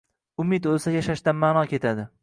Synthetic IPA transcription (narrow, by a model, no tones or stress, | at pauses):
ʊmɪd̪olsajaʃaʃt̪anmaːnɒkʲʰe̞t̪ʰad̪ɪ